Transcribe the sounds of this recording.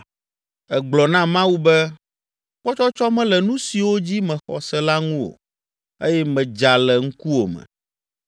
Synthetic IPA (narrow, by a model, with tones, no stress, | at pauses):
ɛ˨ɡ͡blɔ˨nã˦mã˦wu˦bɛ˦ | ɸɔ˦t͡ʃɔ˦t͡ʃɔ˦mɛ̃˦lɛ˨nũ˦si˨wo˦d͡ʑi˦mɛ̃˨xɔ̰˨sɛ˦la˦ŋũ˦wo̰˨ | e˦jɛ˦mɛ̃˨d͡ʒa˨lɛ˨ŋ̩˦ku˦o˨mɛ̰̃˨